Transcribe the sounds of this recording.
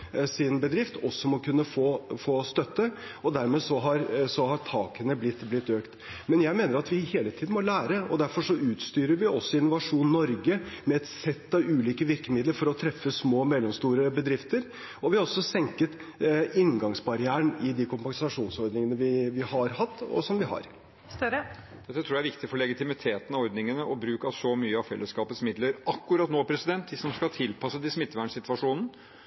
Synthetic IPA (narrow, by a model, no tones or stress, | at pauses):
sɪnbəd̪ɾɪft̪ʰɔsːɔmɔkʉnːəfoːfoːst̪œt̪ːə | ɔd̪æɾmeːsɔɦɑɾsɔhɑt̪ʰɑːkənəblɪt̪ːblɪt̪ːøːkt̪ | mɛnjæɪmeːnəɾɑt̪ʋɪheːlət̪ʰiːd̪n̩mɔlæːɾəɔ̰d̪æɾfɔʂɔʉːt̪st̪yːɾəɾʋɪʔɔsːɔɪnːʊʋɑʂuːnnːɔɾɡəmɛɛt̪sɛt̪ːɑʋʉːliːkəʋɪɾkəmɪd̪ləɾfɔɾɔt̪ʰɾɛfːəsmoːmɛlːɔmst̪uːɾəbəd̪ɾɪft̪əɾ | ɔʋɪhɑɾɔsːɔsɛŋkət̪ɪŋɡɑŋsbɑɾɪæːəɳɪd̪ɪkʰʊmpɑsɑʂuːnsɔɾd̪nɪŋənəʋɪʋɪhɑɾhɑt̪ːɔ̰sɔmʋɪhɑ̰ɾ | st̪ɾə | ɛt̪ːət̪ʰɾuːjæɾʋɪk̚t̪ɪfɔɭɛɡɪt̪ɪmɪt̪ʰeːt̪nɑɔɾd̪nɪŋənəʔɔbɾʉːkɑsɔmyːəɑʋfɛ̰lːəskɑːpət̪smɪd̪ləɾɑkːʉɾɑt̪noːpʰɾɛsɪd̪ɛnt̪̚d̪ɪsɔmskɑlt̪ʰɪlpʰɑsəd̪ɪsmɪt̪ːʋæɳsɪt̪ʋɑʂuːnn̩